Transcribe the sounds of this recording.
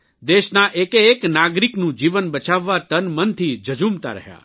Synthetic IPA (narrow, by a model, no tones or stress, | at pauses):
d̪eʃnaʔekeːknaɡɾiknũd͡ʒiʋənbət͡ʃaʋːat̪ənmənt̪ʰid͡ʒəd͡ʒumt̪a̰ɾə̰ɦja̰